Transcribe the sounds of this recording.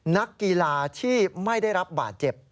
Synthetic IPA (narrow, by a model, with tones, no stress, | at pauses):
na˦˥kːi˧laː˧t̪ʰiː˥˩ma˥˩jda˥˩jɾa˦˥p̚ba̰ː˨˩t̪̚t͡ɕe˨˩p̚